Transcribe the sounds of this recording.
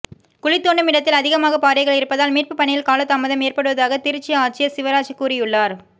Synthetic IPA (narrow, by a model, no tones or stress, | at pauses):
kʊlɪt̪ːoːɳɖɯmɪɽɐt̪ːɪlɐðɪɣɐmaːɣɐpaːɾɐɪɣɐɭɪɾɯpːɐðaːlmiːrpɯpɐɳːɪjɪlkaːlɐt̪ːaːmɐðɐmeːrpɐɽɯʋɐðaːɣɐt̪ɪɾɯt͡ʃːɪaːʈ̚t͡ʃːɪjɐsɪʋɐɾaːt͡ʃikuːɾɪjɯɭːaːɾ